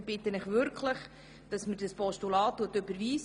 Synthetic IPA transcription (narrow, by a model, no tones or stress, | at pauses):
b̥ɪtənɪχʋʏɾkʰlɪχ | d̥ɑsməɾd̥ɑspɔʃtulɑːtːuətːøbəɾʋiːs